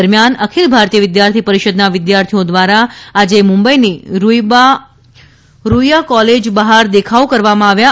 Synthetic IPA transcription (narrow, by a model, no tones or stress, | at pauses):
əɾmjanəkʰilbʱaɾt̪ijəʋɪd̪jaɾt̪ʰipəɾiʃəd̪naʋɪd̪jaɾt̪ʰijod̪ʋaɾaad͡ʒemũmbəiniɾ | ɾujakɔled͡ʒbəɦaɾd̪ekʰaokəɾʋamãaʋja